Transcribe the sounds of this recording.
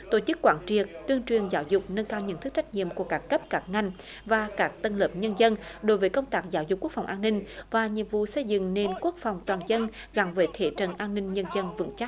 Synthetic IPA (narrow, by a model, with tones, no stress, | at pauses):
t̪o˧˩t͡ɕɨ˦˥kːwaː˧˦nt͡ɕi˨˩ət̚t̪wi˧ənt͡ɕwi˨˩ənzaː˨˦wzʊ˨˩k͡p̚nə˧nkaː˧wɲə̰˧˨˥nt̪ʰɨ˦˥k̚t͡ɕa˦˥jk̚ɲḭ˧˨əmku˧˩əkaː˦˥kːə˦˥p̚kaː˦˥k̚ŋa˧jŋ̟ | vaː˨˩kaː˦˥k̚t̪ə˧nləː˨˩p̚ɲə˧nzə˧nɗo˨˦jvəː˨˦jkə˧wŋ͡mt̪aː˦˥k̚zaː˧˦wzʊ˨˩k͡p̚ːu˦˥əkfa˨˩wŋ͡mʔaː˧nːï˧ŋ̟vaː˨˩ɲḭ˨˧˨əmvṵ˧˨sə˧jzɨ̰˧˨ŋne˧nku˦˥ək̚fa˨˩wŋ͡mt̪waː˨˩nzə˧n | ɣa˨˩ŋvəː˨˦jt̪ʰe˧˩t͡ɕə̰˧˨nʔaː˧nːï˧ŋ̟ɲə˧nzə˧nvɨ̰˧˥ŋt͡ɕa˦˥k̚